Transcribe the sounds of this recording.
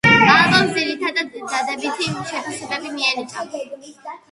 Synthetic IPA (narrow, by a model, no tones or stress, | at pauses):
ɡalɔmd̪ziɾit̪ʰad̪ad̪d̪ad̪ɛbit̪ʰiʃɛpʰisɛbɛbimiɛnit̪ʼa̰v